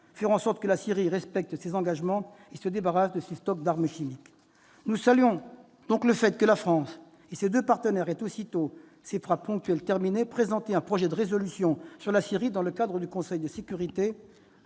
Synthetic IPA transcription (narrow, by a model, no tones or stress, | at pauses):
fɛʁɑ̃sɔʁt̪kəlasiʁiʁɛspɛk̚t̪sezɑ̃ɡaʒmɑ̃ | esəd̪ebaʁasd̪əsest̪ɔk̚d̪aʁməʃimik | nusalɥjɔ̃ | d̪̥ɔ̃kləfɛt̪kəlafχɑ̃s | esed̪øpaʁt̪ənɛʁɛt̪osit̪o | sefχapɔ̃k̚t̪ɥɛlt̪ɛʁminepχezɑ̃t̪eɛ̃pχɔʒɛd̪əʁezɔlysjɔ̃syʁlasiʁid̪ɑ̃ləkad̪ʁəd̪ykɔ̃sɛjd̪əsekʲyʁit̪e